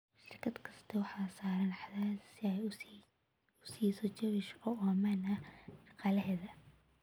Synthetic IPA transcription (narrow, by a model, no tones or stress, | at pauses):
ʃɪrkʰɐd̪kʰɐst̪ʰɐwɑħɑːsaːɾɐnħaðaːdsɪɛj | ʊsiːsɔt͡ʃɐβɪʃɔʔɔːmanɐʃɐqɑːlɐɦɛːðɐ